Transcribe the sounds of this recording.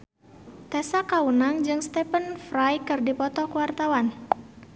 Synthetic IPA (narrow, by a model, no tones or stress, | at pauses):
t̪ɛsakaunaŋd͡ʒɨŋst̪ɛpənfɾajkɨrdipɔt̪ɔkuwart̪awan